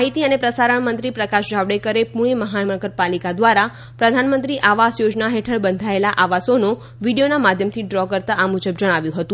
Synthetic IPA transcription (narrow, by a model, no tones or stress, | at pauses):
ɦit̪iənepɾəsaɾəɳmənt̪ɾipɾəkaʃd͡ʒaʋɽekəɾepuɭ̃eməɦaəməɭɡəɾpalikad̪ʋaɾa | pɾəd̪ʱanmənt̪ɾiʔaʋasjod͡ʒnaɦeʈʰəɭbənd̪ʱaelaʔaʋasono | ʋiɽijonamad̪ʱjəmt̪ʰiɖɾɔkəɾt̪aʔamud͡ʒəbd͡ʒəɽ̃aʋjũɦət̪ũ